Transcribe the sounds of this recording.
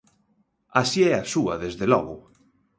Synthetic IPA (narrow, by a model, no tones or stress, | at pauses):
asiɛasua̰ðezðelɔɣo